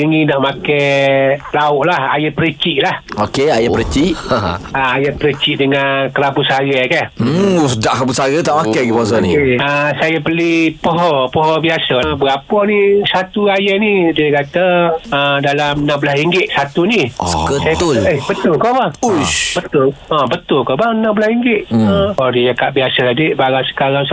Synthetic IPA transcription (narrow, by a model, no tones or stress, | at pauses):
iŋinaʔmakɛ | laʊʔlaha̰jəpəɾət͡ʃiʔlahokeajaəɾət͡ʃiʔaajəpəɾət͡ʃiʔdəŋankəɾabusaɡəkah̩sədaʔkabusaɣət̪aʔmakɛɡipɔɔsɔnḭəsajapəlipəɦɔpɔɦɔbiasəbəɡapɔnisat̪uajanidiəkat̪əədalamnãmbəlasiŋɡɪʔsat̪unisəkəsajat̪ʊləbət̪ʊlkɔbahubət̪ʊləbət̪ʊlkɔbanãmbəlasiŋɡɪʔ̪̚əɔdijakaʔbiasəladiʔbaɣaŋsə̥kaɾaŋs